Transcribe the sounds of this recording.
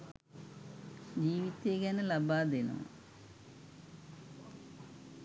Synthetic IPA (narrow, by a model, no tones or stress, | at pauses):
d͡ʑiːʋit̪ːeɡanɐlɐbaːd̪enṵ